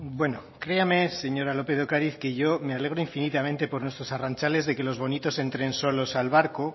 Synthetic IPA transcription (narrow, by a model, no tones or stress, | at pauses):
bwe̞no̞kɾe̞ame̞se̞ɲo̞ɾalo̞pe̞ðokaɾiθke̞ʝo̞me̞ale̞ɣɾo̞iɱfinit̪amẽ̞nt̪e̞po̞ɾnwe̞st̪ɾo̞sarant͡ʃale̞zðe̞ke̞lo̞zβo̞nit̪o̞se̞nt̪ɾe̞nso̞lo̞salβaɾko